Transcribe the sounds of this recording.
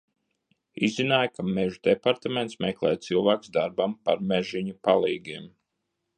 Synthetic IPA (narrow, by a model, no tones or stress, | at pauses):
izinaːjkʰameʒud̪̥epaɾt̪ament̪smɛklˠɛːt̪̚t̪silˠvaːksd̪aɾbampaɾmɛʒiɲupalˠiːɡʲiɛm